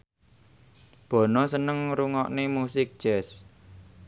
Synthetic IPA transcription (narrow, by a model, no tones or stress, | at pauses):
b̥ɔ̤nɔsənəŋɾuŋɔʔnemusɪk̚d̥ʒ̥ɛs